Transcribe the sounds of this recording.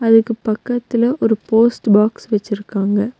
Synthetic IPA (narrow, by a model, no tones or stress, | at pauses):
ɐðɯkːɯpɐkːɐt̪ːɪlɐʔɔɾɯpoːsʈbaːksʋɛt͡ʃːɪɾɯkːaːŋɡɐ